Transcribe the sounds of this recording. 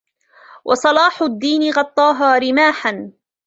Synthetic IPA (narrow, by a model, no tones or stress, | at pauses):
wʔɑ̰sˤɑlɑːħʊd̪ːiːnɪɣɑt̪ˤːɑːɦaːɾɪmaːħan